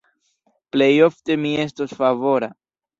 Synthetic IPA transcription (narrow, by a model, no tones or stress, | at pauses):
ple̞jo̞fte̞mie̞s̬tosfavo̞ɾa